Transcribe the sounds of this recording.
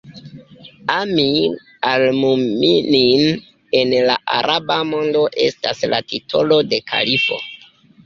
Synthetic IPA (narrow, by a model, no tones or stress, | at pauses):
ami | almuminin | e̞nlaʔa̰ɾʔabamo̞ndo̞ʔe̞̰staslatitʰo̞lo̞de̞kʰa̰lifo̞̰